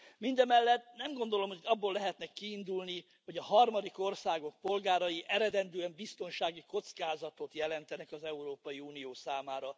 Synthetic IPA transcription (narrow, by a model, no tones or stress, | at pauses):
mind̪ɛmɛlːɛt̪̚nɛmɡo̞nd̪o̞lo̞mhoɒbːolːɛɦɛt̪nɛkːiːnd̪ulni | ho̞ɟɒɦɒrmɒd̪iko̞rsaːɡo̞k̚po̞lɡaːɾɒjiʔɛɾɛd̪ɛnd̪yɛmbist̪o̞nʃaːɡiko̞t̪skaːzɒt̪o̞t̪jɛlɛnt̪ɛnɛkɒzɛuɾoːpɒjiuːnijoːsaːmaːɾɒ